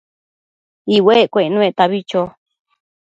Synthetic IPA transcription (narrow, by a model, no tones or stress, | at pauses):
iwekʷenũet̪aβit͡ʃo